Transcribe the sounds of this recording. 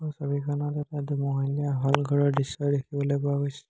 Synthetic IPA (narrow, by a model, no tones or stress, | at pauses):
ɔsobikʰɔnɔtɛtadumɔɦaliaɦɔlɡʱɔɹɔɹdisːɔjdekʰibɔlojpɔakojsɛ̥